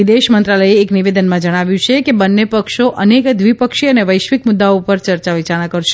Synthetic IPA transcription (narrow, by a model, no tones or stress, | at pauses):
id̪eʃmənt̪ɾaləeːkniʋed̪ənmãd͡ʒəɽ̃aʋjũt͡ʃʰekebənːepəkʃoʔənekd̪ʋipəkʃiəneʋəjʃʋikmʊd̪ːaoupəɾt͡ʃəɾt͡ʃaʋit͡ʃaɽ̃akəɾʃ